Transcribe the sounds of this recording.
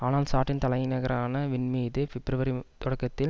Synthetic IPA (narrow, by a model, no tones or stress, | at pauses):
aːnaːlsaːʈːɪnt̪ɐlɐjɪnɐɣɐɾaːnɐʋɪnmiːðɯfɪbɾɐʋɐɾit̪ɔɽɐkːɐt̪ːɪl